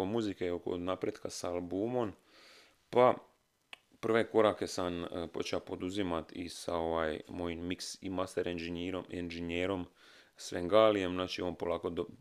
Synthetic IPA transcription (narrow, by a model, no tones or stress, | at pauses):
omuzikeoko̰napɾed̪kasaːlbuːmo̞m | pa | pr̩ʋe̞ko̞ɾake̞sanpo̞̰t͡ʃapo̞d̪uzimat̪ḭsa̰o̞ʋaːjmo̞jimːiksimast̪eɾenʒeniːɾomenʒenjeːɾo̞m | sʋeŋɡaːlijemznaːt͡ʃionpo̞laːkod̪o